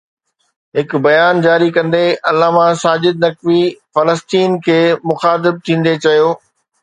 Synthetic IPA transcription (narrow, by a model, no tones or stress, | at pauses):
ɦɪkʊ̆bɐjaːnd͡ʑaːɾikɐ̃nd̪eɐlːaːmãsaːd͡ʑɪd̪̚nɐkʋifɐləst̪iːnkʰeːmʊxaːt̪̬ɪb̚t̪ʰĩːn̆d̪et͡ɕɐjoː